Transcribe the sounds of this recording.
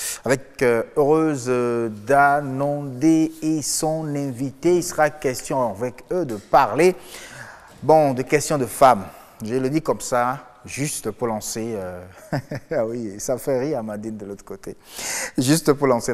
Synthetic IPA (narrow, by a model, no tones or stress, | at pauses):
avɛkøøʁøzd̪anɔ̃d̪eesɔ̃nɛ̃vit̪eilsəʁakɛst̪jɔ̃avɛkød̪əpaʁle | bɔ̃d̪əkɛst̪jɔ̃d̪əfam | ʒeləd̪ikɔmsa | ʒyst̪əpuʁlɑ̃seø | awisafɛʁiʁamad̪ind̪əlot̪ə̥kot̪eʒyst̪puʁlɑ̃se